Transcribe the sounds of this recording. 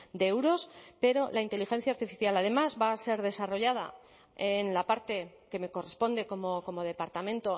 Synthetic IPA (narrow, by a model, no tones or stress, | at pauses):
d̪eewɾo̞spe̞ɾo̞lʔaint̪e̞lixe̞n̟θjaːɾt̪ifiθjalað̞e̞mazβaːse̞ɾð̞e̞saro̞ʝað̞a̰ | enlapaɾt̪e̞ | ke̞me̞ko̞re̞spo̞nd̪e̞ko̞moko̞mo̞ð̞e̞paɾt̪amẽ̞nt̪o̞